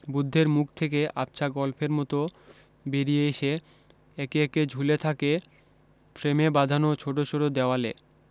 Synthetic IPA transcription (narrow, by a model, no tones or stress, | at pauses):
bud̪ʱːeɾmuk̚ʰt̪ʰekeʔap̚t͡ɕʰaɡɔlpʰeɾmɔt̪o | beɾijeeʃe | ɛkeɛked͡ʑʱulet̪ʰake | pɾemebad̪ʱanot͡ɕʰoʈ̬ot͡ɕʰoɽod̪eoale